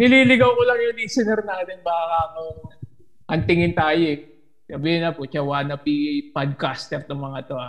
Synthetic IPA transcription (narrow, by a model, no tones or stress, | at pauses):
nɪliːlɪɡɐwkolɐŋjʊŋliːsɛnɛɾnaːt̪ɪnbaːkaɐŋo | ʔɐnt̪ɪŋɪnt̪aːjoɛ | sɐbiːɪnɐpot͡ʃɐwaːnɐpipad̪̚kast̪ɛɾt̪oŋmɐŋat̪oʔa